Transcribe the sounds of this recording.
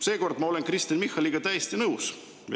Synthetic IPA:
seːko̞rd̪̥mɑo̞le̞nkrist̪inmihːɑliɡ̥ɑt̪æjest̪inɤws

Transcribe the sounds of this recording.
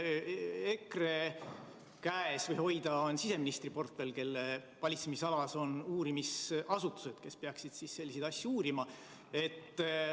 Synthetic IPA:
ekre | kæesvɤjho̞jd̪̥ɑonsise̞minist̪ripo̞rt̪velke̞lːe | vɑlʲit̪semisɑlɑso̞nuːɾimisʔɑsut̪ːˑu̥se̞d̪̥ke̞speɑksid̪̥sisːe̞lʲːised̪̥ɑsʲːjuuːɾimɑ | e̞t̪ː

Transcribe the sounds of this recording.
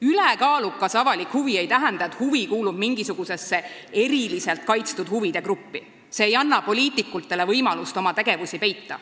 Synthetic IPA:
ylekɑːlukːˑɑsɑvɑlikhuvie̞jt̪æɦɛnd̪ɑe̞t̪huvikuːlub̥miŋɡ̥isuɡ̥use̞sːe̞e̞ɾilise̞lt̪̚kɑjt̪st̪ud̪̥huvid̪̥e̞kɾupːi | se̞ːjɑnːɑpo̞lʲiːt̪ˑikːˑult̪ːˑe̞le̞vɤjmɑlust̪o̞mɑt̪e̞ɡ̥e̞vusʲipe̞jt̪ːɑ̰

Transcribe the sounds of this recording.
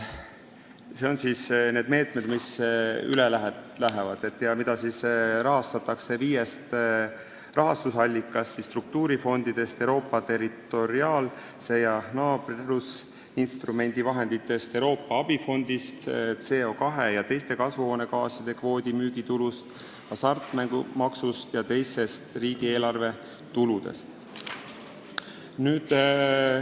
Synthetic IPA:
se̞o̞nsiːsne̞ːd̪me̞ːt̪ˑmed̪misy̰lelæɦet̪læɦevɑ̰d̪̥e̞t̪ːˑjɑmid̪̥ɑsisrɑɦɑst̪ɑt̪ːɑkse̞viːjest̪ | rɑɦɑst̪usɑlʲːikːˑɑst̪sisːt̪ruk̚t̪uːɾifo̞nd̪̥id̪̥e̞st̪ewɾo̞ːpːˑɑt̪e̞ɾit̪ːˑo̞ɾiɑːl | se̞jɑnɑːb̥rus | inst̪rume̞nʲd̪̥ivɑɦe̞nd̪̥it̪ːˑe̞st̪e̞wɾo̞ːpːˑɑɑb̥ifo̞nd̪̥ist̪t̪se̞ːo̞ːkɑɦe̞jɑt̪e̞jst̪e̞kɑsvuho̞ːne̞kɑːsjɑd̪̥e̞kvo̞ːd̪imyːɡ̥it̪ulust̪ | jɑsɑrt̪ˑmæŋɡumɑksust̪jɑt̪e̞jse̞st̪riːɡ̥ie̞ːlɑrve̞ | t̪ulud̪̥e̞̰st̪ | nyːd̪̥

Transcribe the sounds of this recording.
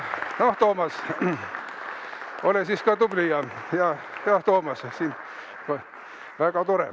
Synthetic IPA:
noht̪oːmɑs | olesiskɑːt̪ublijɑjɑ | jɑt̪oːmɑssin | ko | ʋæɡ̥ɑt̪oɾḛ

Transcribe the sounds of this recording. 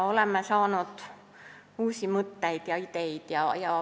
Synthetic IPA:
olemːæsɑːnot̪ | uːsimut̪ːeit̪jɑit̪eit̪jɑjɑ

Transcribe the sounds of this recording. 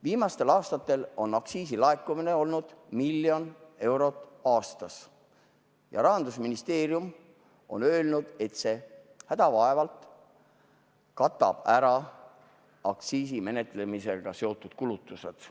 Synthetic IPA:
viːmɑst̪e̞lɑːst̪ɑt̪ːˑe̞lo̞nɑksiːsilɑekːˑumine̞o̞lnud̪̥milːjo̞ne̞wɾo̞t̪ːˑɑːst̪ɑs | jɑ̰ɾɑɦɑnd̪usminist̪e̞ːɾjum | o̞̰nø̞ːlnud̪̥e̞t̪se̞ | hæd̪̥ɑvɑevɑlt̪ | kɑt̪ːˑɑ̰b̥æɾɑ | ɑ̰kt̪siːsime̞ne̞t̪ˑle̞mise̞ɡ̥ɑse̞o̞t̪ːˑud̪̥kulut̪ːˑuse̞̰d̪̥

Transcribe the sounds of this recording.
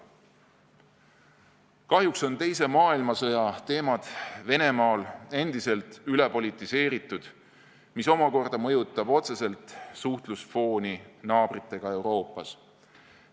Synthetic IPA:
kɑɦjukso̞nt̪e̞jse̞mɑːilmɑsɤjɑt̪e̞ːmɑd̪̥ve̞ne̞mɑːle̞nd̪̥ise̞lt̪yle̞po̞lit̪ːˑise̞ːɾit̪ːˑud̪̥ | miso̞mɑko̞rd̪̥ɑmɤ̞jut̪ˑːɑb̥o̞t̪se̞se̞lt̪suht̪lusfo̞ːninɑːb̥rit̪ːˑe̞ɡ̥ɑe̞wɾo̞ːpːˑɑs

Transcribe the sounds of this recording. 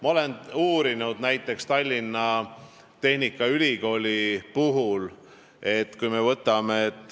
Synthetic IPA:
mɑo̞le̞nuːɾinud̪næjt̪ːˑe̞kst̪ɑlʲːinːɑ | t̪e̞hnikːˑɑylʲiko̞ːlʲipuɦul | e̞t̪ːˑkujme̞vɤt̪ːˑɑme̞et̪ːˑ

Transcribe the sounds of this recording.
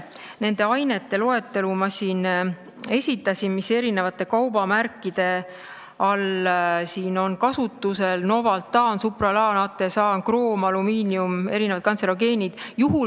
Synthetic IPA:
ne̞nd̪e̞ɑjne̞t̪ːe̞lo̞e̞t̪ːe̞lumɑsiːn | e̞sʲit̪ːˑɑsʲinmise̞ɾine̞vɑt̪ːˑe̞kɑwbɑmærkːˑid̪̥e̞ | ɑlsiːno̞nkɑsut̪ːˑuse̞lno̞vɑlt̪ːɑːnsuprɑlɑːnɑt̪ːˑe̞sɑːnkro̞ːmɑlumiːniume̞̰ɾinevɑd̪̚kɑnseɾoɡe̞ːnʲid̪̥juɦu

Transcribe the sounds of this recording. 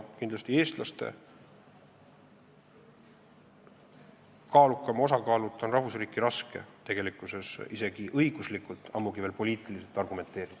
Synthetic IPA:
kind̪lɑst̪ieːst̪lɑst̪e̞̰ | kɑːlukːˑɑmo̞sɑkɑːlut̪ːˑonrɑhvusriːkiɾɑske̞̰t̪e̞ɡ̥e̞likːˑuse̞sise̞ɡ̥iʔɤjɡ̥uslikːˑult̪ːˑɑ̰mːuɡive̞ːlpo̞lʲiːt̪ˑilis̬e̞lt̪ːˑɑrɡume̞nt̪e̞ːɾid̪̥

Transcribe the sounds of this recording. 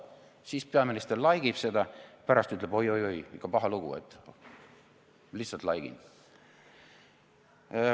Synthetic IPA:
siːspeɑminist̪erlɑjɡ̥ib̥se̞d̪̥ɑpæɾɑst̪yt̪ːˑlebo̞jo̞jo̞jikːˑɑpɑɦɑluɡ̥ṵḛt̪ːˑ | lihsːɑlt̪lɑjɡ̥ḭn

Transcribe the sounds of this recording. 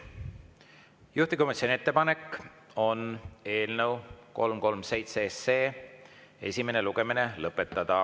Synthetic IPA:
juht̪iko̞misʲonie̞t̪ːˑepɑne̞kːˑ | o̞ne̞ːlnəwko̞lmko̞lmse̞jt̪sese̞ː | e̞̰sʲime̞ne̞luɡ̥e̞mine̞lɤpːˑe̞t̪ːˑɑd̪̥ɑ

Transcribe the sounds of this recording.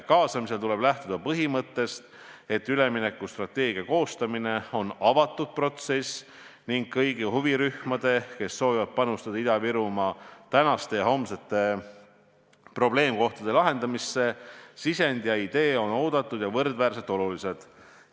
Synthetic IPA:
kɑːsɑmise̞lt̪ule̞b̥læht̪ud̪̥ɑpɤɦimɤt̪ːe̞st̪ | e̞t̪ːˑyle̞mine̞kːˑust̪rɑt̪ːe̞ːɡ̥iɑko̞ːst̪ɑmine̞o̞nɑvɑt̪ːˑud̪̥̚pro̞t̪ses | niŋɡ̥̚kɤjɡihuviɾyhmɑd̪̥e̞ke̞sːo̞ːvivɑd̪̥̚pɑnust̪ɑd̪̥ɑid̪ɑviɾumɑt̪ænɑst̪e̞jɑɦo̞mset̪ːˑe̞ | pro̞ble̞ːmko̞ht̪ɑd̪e̞lɑɦe̞nd̪̥ɑmisːe̞sise̞nd̪̥jɑid̪̥e̞ːo̞no̞ːd̪̥ɑt̪ːˑud̪̥jɑvɤrd̪væːrse̞t̪ːˑo̞lulise̞d̪̥

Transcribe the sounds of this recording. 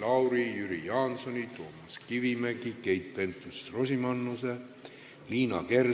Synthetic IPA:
lɑwɾijyɾijɑːnso̞nʲit̪o̞ːmɑskivimekike̞jt̪̚pe̞nt̪ːˑust̪ro̞sʲimɑnːuse | liːnɑ̰ke̞r

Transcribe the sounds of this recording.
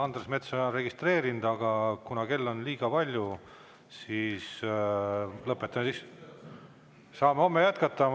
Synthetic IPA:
ɑnd̪̥resme̞t̪sɑnre̞ɡ̥ist̪re̞ːɾind̪̥ɑɡ̥ɑkunɑke̞lːo̞nliːɡ̥ɑpɑlʲju | siːs | lɤpːˑet̪ːˑɑmesis | sɑːmeo̞mːejæt̪kɑt̪ˑːɑ

